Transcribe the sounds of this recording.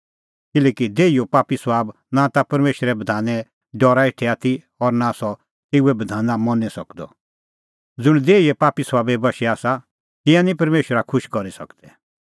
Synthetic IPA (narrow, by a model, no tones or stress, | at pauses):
kɪlɛːkid̪eːiopaːpisʋaːb | nat̪apɐɾmeːʃwəɾɛbɐd̪ʱaːnɛ | ɖɔɾaeʈʰɛaːt̪ʰi | ɔɾnasɔ | t̪euɛbɐd̪ʱaːnãmɔnɛsɐkd̪ɔ̰ | d͡zʊɽ̃d̪eːiɛpaːpisʋaːbɛbɐʃɛaːsa | t̪ɪ̃jãnĩpɐɾmeːʃwəɾakʰʊʃkɔɾisɐ̰kd̪ɛ